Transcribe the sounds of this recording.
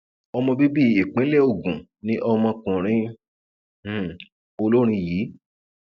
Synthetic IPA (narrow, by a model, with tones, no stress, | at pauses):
ɔ˧mɔ̃˧bi˦bi˦˨e˨k͡pĩ˨˦le˦˨o˦˨ɡũ˨nĩ˦ʔɔ˧mɔ̃˧kũ˨ɾ̃ĩ˦˨ | o˧lo˦ɾ̃ĩ˧jiː˨˦